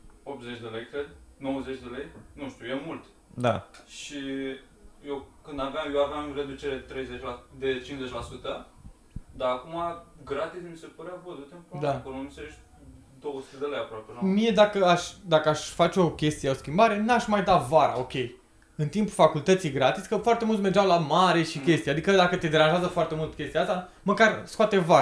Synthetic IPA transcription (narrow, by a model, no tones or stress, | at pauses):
opt̪zet͡ʃʲd̪e̞lejkɾed̪no̞wəzet͡ʃʲd̪e̞lejnũʃt̪ʲujemult̪ | d̪a̰ʃi | jewkɨnd̪aveamjewaveamɨɾed̪ut͡ʃeɾet̪ɾe̞jzet͡ʃʲlad̪e̞t͡ʃinzet͡ʃʲlasut̪ə | d̪aːkumaɡɾat̪ismise̞pəɾeavozut̪empd̪akolomiseɾet͡ʃ | d̪o̞wəsu̥t̪ed̪e̞lejapɾoapenmije̞d̪akəaʃʲd̪akəaʃʲfat͡ʃeo̞kʲe̞st̪ijeo̞skʲimbaɾe̞nuaʃmajd̪at̪vaɾa̰o̞kʲe̞j | ɨnt̪impufakult̪ət̪sijɡɾat̪iskəfoart̪e̞mult̪sme̞rd͡ʒawlamaɾe̞ʃikʲe̞st̪ijad̪ikəd̪akət̪e̞d̪e̞ɾanʒazəfoart̪e̞mult̪kʲest̪ijaast̪a | məkarskoat̪evaɾa